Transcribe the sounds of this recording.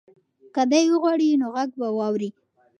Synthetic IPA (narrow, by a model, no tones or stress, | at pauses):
kad̪ajwəɣwɑɽinoɣaɡ̚bawɑwɾi